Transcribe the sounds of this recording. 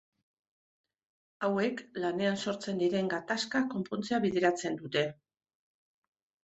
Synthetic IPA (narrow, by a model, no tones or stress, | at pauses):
awe̞klane̞anso̞ɾt͡se̞nd̪iɾe̞ŋɡat̪askako̞mpont͡se̞aβiðe̞ɾat͡se̞nd̪ut̪e̞